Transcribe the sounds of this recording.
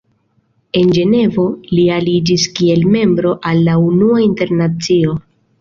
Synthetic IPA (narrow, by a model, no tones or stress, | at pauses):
e̞nd͡ʒe̞ne̞vo̞lialid͡ʒiskie̞lme̞mbɾo̞ʔalːaunuainte̞ɾnat͡sio̞